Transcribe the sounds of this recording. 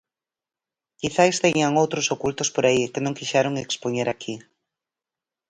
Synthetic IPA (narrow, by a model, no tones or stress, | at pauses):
kiθajst̪eɲaŋowt̪ɾʊsokult̪ʊspoɾaikenõŋkiʃaɾoŋekspoɲeɾakʰi